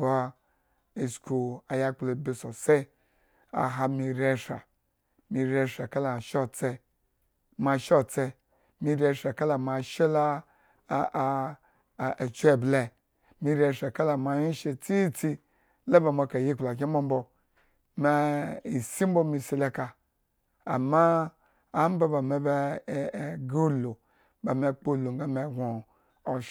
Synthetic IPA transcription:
ba˨˦ | e˨sku˨a˨ja˦k͡ple˨be˨so˨se˦ | a̰˨ɦa˨mi˨ɾe˦ʃa̰˨ | mi˨ɾe˦ʃa˨ka˦la˨ʃo˦t͡se˦ | ma˨ʃo˦˨t͡se˦ | mi˨ɾe˦˧ʃa˨ka˦la˨ma˨ʃe˦la˦˨ | t͡ʃʷe˦˨ble˨ | mi˧ɾe˧˨ʃe˨ka˦la˨ma˨ji˦ʃe˨t͡si˦t͡si˦ | la˦ba˨ma˧ka˨ji˦k͡pla˨k̬ʲi˦m˦bo˦m˦bo˧ | me˨i˨si˦m˦bo˦mi˧si˦le˦kaː˨ | maː˦ | m˦ba˦ba˨me˨be˦˨ | ɡu˦lo˨ | ba˨me˨k͡po˦˨lu˨ŋ˦ɡa˦me˨ɡʷo˨

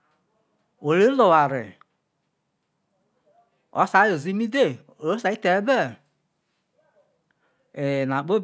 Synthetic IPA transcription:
o˨li˦lo˨wa˨ɾɪ̰˨ | ɔ̰˨˦sa˨˦jo˨zi˦mi˦de˦˨ | o˨˦sa˨˦i˦tɛ˨˦bɛ˦˨ | e˨na˨k͡po˦b

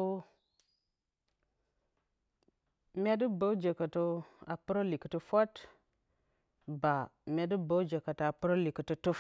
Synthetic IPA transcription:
mʲe˦də˦bə˨˦d͡ʒe˨kə˨to˦a˨pu˦ɾo˦li˨kə˨tə˦fo˦t | ba˨ | mʲe˦də˦bə˨˦d͡ʒe˨ka˨ta˨pu˦ɾo˦li˨kə˨tə˦tu˦

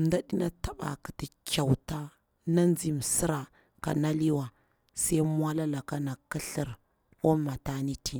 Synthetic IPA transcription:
m˨˦da˦ɗi˦na˦ta˨ɓa̰˨ki˨ti˨ka˨wta˦ | na˦nd͡zi˨m˨si˦ɾa˨ | ka̰˨na˦li˦wa˨ | sa˦m˦a˦la˦la˨ka˦na˨ki˦ɬi˦ɾ | wo˦ma˨ta˦ni˦ti˨

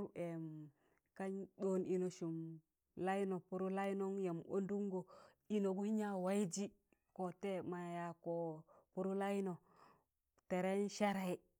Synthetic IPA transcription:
u˦e˨m | ka˦ɲdo˦ni˨no˨ʃu˨m | la˦i˦no˨pu˦ɾu˦la˦i˦no˦ŋje˨mo̰˦ndu˦ŋɡo˨ | i˨no˨ɡu˦hi˦ɲa˦wa˦i˦d͡ʒi˦ | ko˨te˦ma˨ja˨ko˨pu˦ɾu˦la˦jno˨ | te˨ɾe˦nʃa˦ɾe˦i˦

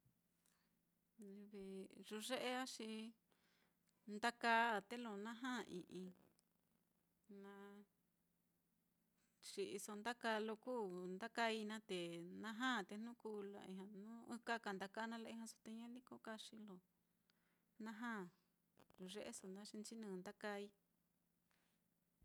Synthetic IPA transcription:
i˧βi˧ʐu˧ʐe˦ʔe˦a˦ʂi˧ | nd̪a˦ka˧˦˨t̪e˦lo˧nã˦ɦã˦˨˧ḭ̃˨ʔĩ˧ | nã˧ | ʂi˧ʔi˧so˧nd̪a˦ka˧lo˧kuː˦˨nd̪a˦ka˧i˧nã˦t̪e˨nã˧ɦã˦˨t̪e˧n̥ũ˦kuː˧˦la̰˧ḭ̃˧˨ɦã˧nũ˦u˦ka˦ka˧˨nd̪a˧ka˧˦˧nã˦la˧ĩ˧ɦã˧so˧t̪e˧ɲã˦li˦ko˧ka˧ʂi˧lo˨ | nã˦ɦãː˦˨ | lu˨ʐe˦ʔḛ˦so˧˨nd̪a˦ʂi˧nt͡ʃi˦nɨ̃˧˨˧nd̪a˦ka˧i˦

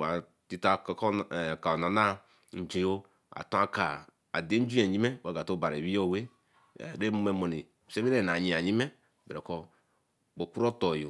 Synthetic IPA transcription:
wa˨ | ti˦ta˨kka˨na˨na˦ | n̩˨d͡ʒe˨jo˦ | a̰˨to˦a˦ka˨ | a̰˨de˦n̩˦d͡ʒu˦e˨ɲi˦me˦wa˦ɡa˨to˦ba˨ɾe˨βi˦jo˦˨wḛ˦˨ | ɾe˦mu˦me˨mo˨ni˨se˦mi˦ɾe˦na˨ɲi˨a˨ɲi˦me˦ | be˨ɾe˨ko˦ | bo˨ku˦ɾo˦to˨jo˨

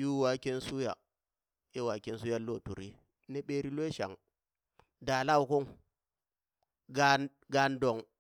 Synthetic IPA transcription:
ju˦wa˨˦ke˦nsu˦ja̰˨ | e˦wa˨ke˦n˦su˦ja˦lo˦˨tu˨ɾi˦ | ne˦ɓe˦ɾi˦lwe˦ʃa̰˨ŋ | da˨la˦˨wu˨ku˦ŋ | ɡa˦ | ɡa˨ndo˨ŋ

